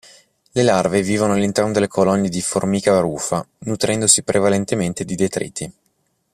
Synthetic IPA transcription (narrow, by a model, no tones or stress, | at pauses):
lelarveviːvonoalːint̪ɛrnod̪elːekʰolɔnːed̪iformiːkaaɾuːfanut̪ɾɛnd̪osipɾevalent̪ement̪ed̪id̪et̪ɾḭt̪ːi